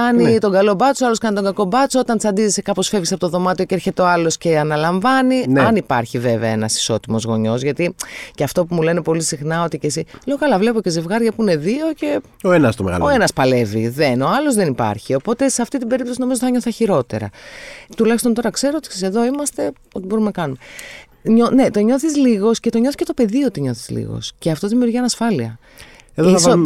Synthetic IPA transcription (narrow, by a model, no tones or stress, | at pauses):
ɐnit̪o̞ŋɡɐlo̞bɐt͡soɐlo̞skɐnit̪oɡɐko̞bɐt͡soo̞t̪ɐnt͡sɐnd̪izisekɐpo̞sfevʝisɐpo̞t̪oðomɐt̪io̞ceeɾçet̪eo̞ɐlo̞sce̞ɐnɐlɐɱvɐnineɐnipɐɾçive̞veɐenɐsi̥so̞t̪imo̞zɣo̞ɲo̞zʝɐt̪iceɐft̪o̞pumule̞ne̞po̞lisixnɐo̞t̪ice̞sileokɐlɐvle̞poce̞ze̞vɣɐɾʝɐpuine̞ðio̞ce̞ | o̞enɐst̪omeɣɐ̰loenɐspɐle̞vḭðeno̞ɐlo̞zðenipɐ̰ɾçio̞po̞t̪e̞seɐft̪it̪ibe̞ɾipt̪o̞sino̞mizoθɐɲo̞θɐçiɾo̞t̪e̞̰ɾɐ̰t̪ulɐçist̪o̞nt̪o̞ɾɐkse̞ɾot̪i̥seseðo̞imɐst̪e̞ | o̞t̪ibo̞ɾumenɐkɐnume̞ | ɲone̞t̪o̞ɲo̞θizliɣo̞sce̞t̪o̞ɲo̞θi̥ce̞t̪ope̞ðiot̪iɲo̞θi̥zlḭɣo̞̰sceɐft̪o̞ðimiuɾʝiɐnɐsfɐliɐ | eðoiɐso